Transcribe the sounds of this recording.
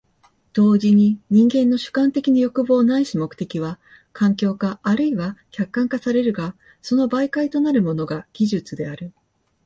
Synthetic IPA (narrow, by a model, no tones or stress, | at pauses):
d̪̥o̞ːʑiɲ̟iɲ̟ĩŋɡẽ̞nːo̞ɕɨ̥kãnt̪e̞kʲinajo̞kɯ̟bo̞ːnaiɕimo̞kɯ̥t̪e̞kʲiβ̞a | kʰãŋkʲo̞ːkaʔːɾɯ̟iβakʲakːãŋkasaɾe̞ɾɯ̟ɡa | so̞no̞baikait̪o̞naɾɯ̟mo̞no̞ɡaɡ̥ʲiʑɨt͡sɨd̪e̞aɾɯ̟